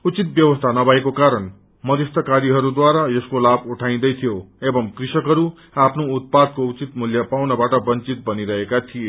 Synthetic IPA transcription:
ut͡sit̪̚bjʌbʌst̪ʰanʌbʱaekokaɾʌn | mʌd̪est̪ʰʌkaɾiɦʌɾud̪waɾajʌskolabuʈʰaĩd̪ʌjt̪ʰijoebʌmkrisʌkɦʌɾu | apʰnout̪̚pad̪̚kout͡sit̪muljʌpawnʌbaʈʌbʌnt͡sit̪̚bʌniɾʌɦekat̪ʰije

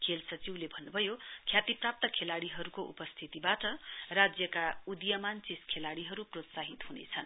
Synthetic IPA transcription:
kʰelsʌt͡siwlebʱʌnːubʱʌjokʰjat̪iprap̚t̪ʌkʰelaɽiɦʌɾukoʔṵpʌst̪ʰit̪ibaʈʌrad͡zjʌkaud̪jʌmant͡siskʰelaɽiɦʌɾuprot̪saɦit̪ɦunḛt͡sʰʌn

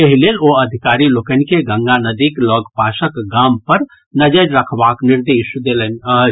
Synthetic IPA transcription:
eɦileloəd̪ʱikaɾilokənkeɡə̃ŋɡanəd̪iklɔɡpasəkɡampəɾ | nəd͡ʒəɾɾəkʰbakniɾd̪esd̪elənə

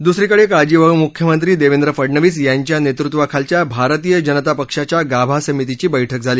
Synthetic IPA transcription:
d̪usɾikəɽekad͡ʑiːʋəmukʰjəmənt̪ɾiːd̪eʋend̪ɾəfəɽɳəʋiːsjaɲt͡ɕjanet̪ɾut̪ʋakʰalt͡ɕjabʱaɾət̪ijəd͡ʑənət̪apəkʂat͡ɕjaɡabʱasəmit̪it͡ɕiːbəjʈʰək̚d͡zʱaliː

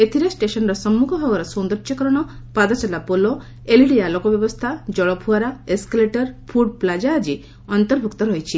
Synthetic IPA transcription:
et̪ʰiɾesʈesɔnɔɾɔsɔmːukʰɔbʱɔɡɔɾɔsɔnd̪ɾɔʃɔkɔɾɔɽ̃ɔ | pad̪ɔt͡ʃalapolo | eliɽialɔkɔbjɔbɔst̪ʰad͡ʒɔɭɔpʰuaɾaeskaleʈɔɾpʰuɖ̚plad͡ʒaːd͡ʒi | ɔnt̪ɔɾbʱukt̪ɔɾɔjt͡ʃʰi

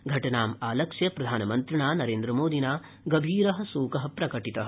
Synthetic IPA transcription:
ɡʱɐʈɐnaːmaːlɐkʂjɐpɾɐd̪ʱaːnɐmɐnt̪ɾɐɳaːnɐɾeːnd̪ɾɐmoːd̪ʱinaː | ɡɐbʱiːɾɐɦɐ̆suːkɐɦɐ̆pɾɐkɐʈit̪ɐɦɐ

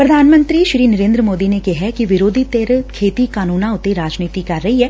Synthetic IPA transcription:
pɾɐd̪ʱaːnmə̃nt̪ɾiʃɾiːnɐɾẽːnd̪ɾəmoːd̪inekeɦɛkiʋɪɾoːd̪ʱit̪eɾkʰeːt̪ikaːnuːnãʊt̪eɾaːd͡ʒniːt̪ikɐɾːɐɦiɦɛː

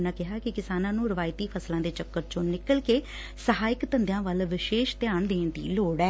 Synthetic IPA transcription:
naːkɪɦaːkɪkɪsaːnãːnũːɾəʋaːɪt̪iːpʰəslãːd̪eːt͡ʃəkːəɾt͡ʃõːnɪkəlkeː | səɦaːɪkt̪ə̃nd̪jãːʋəlʋɪʃeːʃt̪ɪjaːɳd̪eːnd̪ḭːloːɽɛː

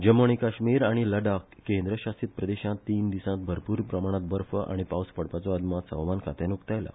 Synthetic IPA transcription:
d͡ʑəmoɳ̃ikaɕmiːɾaɽ̃iləɖakːend̪ɾəɕast̪it̪̚pɾəd̪eɕãt̪ːiːnd̪isãt̪̚bʱəɾpuːɾpɾəmaɽ̃ãt̪̚bəɾfəʔa̰ɽ̃ipawspəɽpat͡sɔad̪mat̪sə̰̃ʋmankʰat̪anukt̪ajla̰

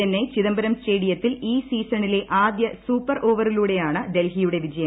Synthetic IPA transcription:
ɐnːet͡ɕiðɐmbɐɾɐmsʈe̞ːɽijɐt̪ːiliːsiːsɐɳile̞ʔaːd̪jɐsuːpːɐrʔo̞ːʋɐriluːɽe̞jaːɳɨd̪e̞lɦijuɽe̞ʋid͡ʑɐjɐm

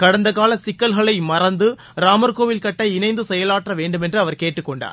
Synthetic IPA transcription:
kɐɽɐnd̪ɐkaːlɐsɪkːɐlɣɐɭɐɪmɐrɐnd̪ɯ | ɾaːmɐɾkoːʋɪlkɐʈːɐɪnɐɪnd̪ɯsɛjɐlaːʈrɐʋeːɳɖɯmɛndrɯɐʋɐɾkeːʈːɯkːɔɳɖa̰ːɾ

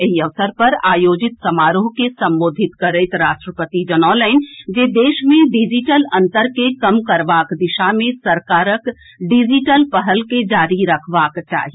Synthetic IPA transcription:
eɦiəʋsəɾpɐɾaːjoːd͡ʒɪt̪sɐmaːɾoɦkesɐ̃mboːd̪ʱɪt̪kəɾəɪt̪ɾaːʃʈɾəpət̪id͡ʒənɔːləɪnd͡ʒeːd̪eːʃmẽɖid͡ʒiʈəlɐ̃nt̪əɾkekɐmkɐɾbaːkd̪ɪʃamẽsəɾkaːɾək | ɖid͡ʒiʈəlpəɦəlked͡ʒaːɾiɾɐkʰʋaːkt͡ʃa̰ːɦi

